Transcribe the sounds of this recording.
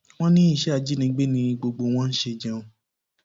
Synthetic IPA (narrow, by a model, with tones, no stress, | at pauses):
w̃ɔ̃˦nĩ˦i˦˨ʃɛ˦a˨d͡ʒi˦nĩ˧˦ɡ͡be˦nĩ˧i˧ɡ͡bo˧ɡ͡bo˧w̃ɔ̃˦n̩˦ʃe˧d͡ʒã˦˧õ˧